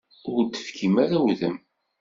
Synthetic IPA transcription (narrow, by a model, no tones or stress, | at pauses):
ʊɾt̪ːə̥fkʰimaɾæwðəm